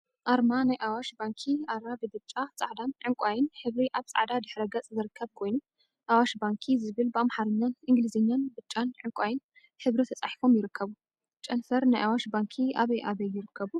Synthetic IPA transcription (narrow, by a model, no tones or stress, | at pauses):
ʔaɾmanajʔawaʃbaŋkʰiaɾabed̪ɨt͡ʃʼat͡sʼa̰ʕd̪anʕɨŋkʷʼajɪnħɨβɾiʔaβt͡sʼa̰ʕd̪ad̪ɨħɾɐɡɐt͡sʼzɨɾɨkʰːɐβkʰo̞jnu | ʔawaʃbaŋkʰizɨβɨlbɨamħaɾɨɲːanʔɨŋɡlizɐɲːanbɨt͡ʃʼːanʕɨŋkʷʼajɪn | ħɨβɾit̪ʰɐt͡sʼaħifo̞mjɪɾɨkʰːɐβu | t͡ʃʼɐnfɐɾnajʔawaʃbaŋkʰiaβejʔaβɐjɪɾɨkʰːɐβu